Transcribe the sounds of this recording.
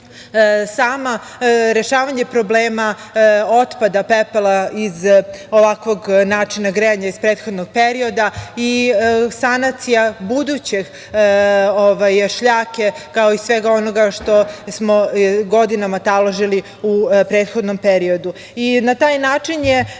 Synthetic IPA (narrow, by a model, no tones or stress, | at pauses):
saːma | ɾe̞ʃaːʋaɲepɾo̞bleːmao̞t̪pad̪apepelˠaizoʋakʋoɡnaːt͡ʂinaɡɾeaɲaizpɾeːt̪xo̞d̪noɡ̚pe̞ɾio̞d̪aisanat̪sijabud̪ut͡ɕeɡ | oʋajʃʎaːke̞kao̞isʋe̞ɡao̞noɡaʃt̪o̞smo̞ɡo̞d̪inamat̪alˠoʒili | upɾeːt̪xo̞d̪no̞mpeɾio̞d̪u | inat̪aːjnaːt͡ʂinje